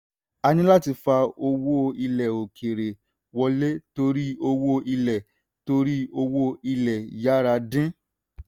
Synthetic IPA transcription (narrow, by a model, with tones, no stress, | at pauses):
a˧ñĩ˦la˦ti˧fa˧o˧wo˦˧i˧lɛ˨o˨kʰe˨ɾe˨ | wɔ˧le˦to˧ɾi˦o˧wo˦i˧lɛ˨ | to˧ɾi˦o˧wo˦i˧lɛ˨ja˦ɾa˧dĩ˦